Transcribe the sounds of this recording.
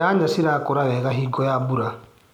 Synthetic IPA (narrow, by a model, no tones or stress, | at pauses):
aːɲd͡ʒasiɾakoɾaɣɛɣaɦiɡɔjabuɾa